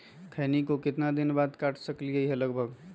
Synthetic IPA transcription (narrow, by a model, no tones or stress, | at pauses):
kʰənikokɪt̪nad̪inbad̪kaʈʰsəkliəɦeləɡbʱəɡ